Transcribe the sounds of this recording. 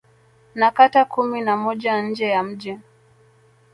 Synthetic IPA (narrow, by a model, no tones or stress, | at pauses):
nakatakuminamɔʄan̩d͡ʒɛjam̩ʄɛ